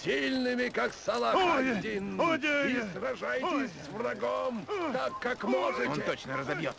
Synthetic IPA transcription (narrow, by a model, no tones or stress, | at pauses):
sʲilʲnɨmʲɪkaksɐlˠadʲinːdʲɪsrɐʐajtʲɪsʲsvrɐɡomt̪akːakmɔʐɨtɔnʲt̪ʲɪt̪ot͡ɕnəɾəzɐbʲjot̪